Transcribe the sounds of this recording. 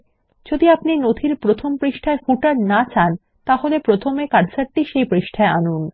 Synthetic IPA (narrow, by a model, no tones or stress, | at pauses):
d͡ʑod̪iapninod̪ʱiɾpɾot̪ʰompɾiʃʈʰaeɾfuʈaɾnat͡ɕan | t̪aɦolepɾot̪ʰomekaɾsaɾʈiʃejpɾiʃʈʰaeanun